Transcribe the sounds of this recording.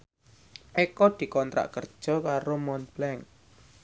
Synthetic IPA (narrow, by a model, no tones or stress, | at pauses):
ʔekɔd̪̥i̤kɔnt̪ɾa̰ʔkər̥ʒ̥ɔ̤kaɾomɔnblɛŋ